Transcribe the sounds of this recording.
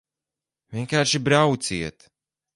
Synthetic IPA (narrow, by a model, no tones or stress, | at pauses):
vʲiɛnkaːɾʃibɾawt̪siɛt̪